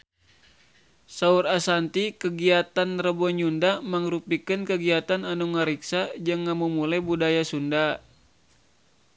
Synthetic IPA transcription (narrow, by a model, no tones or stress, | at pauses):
saurasant̪ikəɡiat̪anrəbɔɲundamaŋɾupikənkəɡiat̪ananuŋəɾiksad͡ʒəŋːamumulabudajasunda